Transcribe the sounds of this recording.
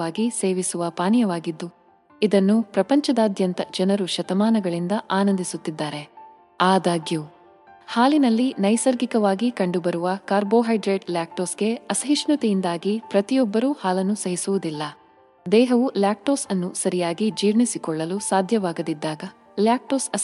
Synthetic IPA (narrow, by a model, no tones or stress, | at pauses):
aːɡiseːʋisuʋɐpaːnjɐʋaːɡid̪ːu | id̪ɐnːupɾɐpɐɲt͡ʃɐd̪aːd̪ʱjɐnt̪ɐd͡ʒɐnɐɾuʃɐt̪ɐmaːnɐɡɐɭind̪ɐʔaːnɐnd̪isut̪ːid̪ːaːɾe̞ | aːd̪aːɡju | haːlinɐlːinɐjsɐɾɡikɐʋaːɡikɐɳɖubɐɾuʋɐkaːɾbo̞ːɦɐjɖɾeːʈljaːk̚ʈoːsɡe̞ɐsɐɦiʃɳut̪ijind̪aːɡipɾɐt̪ijɔbːɐɾuːhaːlɐnːusɐɦisuʋud̪ilːɐ | d̪ɛːɦɐʋuljaːk̚ʈo̞ːsɐnːusɐɾijaːɡid͡ʒiːɾɳisikɔɭːɐlusaːd̪ʱjɐʋaːɡɐd̪id̪ːaːɡɐ | ljaːk̚ʈoːsɐ